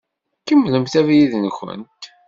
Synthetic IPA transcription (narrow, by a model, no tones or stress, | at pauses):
kəmːləmθævjiðnçə̰nt̪